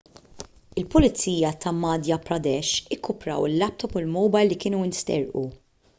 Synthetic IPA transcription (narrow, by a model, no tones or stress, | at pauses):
ɪlpʊlɪt͡siːjɐt̪ʰɐmɐːd̪jɐpɾɐd̪ɛʃɪkʰːʊpɾɐ̰wɪlːɐp̚t̪ɔpʊlmɔwbɐjlːikɪːnuɪnst̪ɛ̰ɾʔṵ